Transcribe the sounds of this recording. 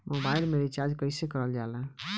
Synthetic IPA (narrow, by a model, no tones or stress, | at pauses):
mʔɔbaɪɾmeɾit͡ʃaɾd͡ʒkəɪsekəɾəld͡ʒalã